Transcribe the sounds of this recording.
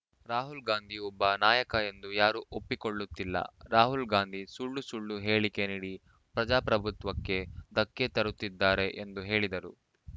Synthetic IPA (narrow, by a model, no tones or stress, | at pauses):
ɾaːɦulɡaːnd̪ʱiɔbːɐnaːjɐkɐe̞nd̪ujaːɾuʔopːikoɭːut̪ːilːɐ̰ɾaːɦulɡaːnd̪ʱisuɭːusuɭːuɦe̞ːɭike̞niːɽi | pɾɐd͡ʒaːpɾɐbʱut̪ʋɐkːe̞d̪ɐkːet̪ɐɾut̪ːid̪ːaːɾe̞ʔend̪uɦe̞ːɭid̪ɐɾu